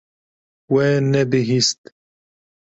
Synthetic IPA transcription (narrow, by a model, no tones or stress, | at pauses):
wened̪iɦist̪